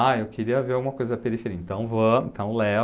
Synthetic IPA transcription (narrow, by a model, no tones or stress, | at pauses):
aewkeɾiɐveɾawɡũmɐkojzɐpeɾifeɾiɐẽnt̪ɐ̃w̃võt̪ɐ̃w̃lɛ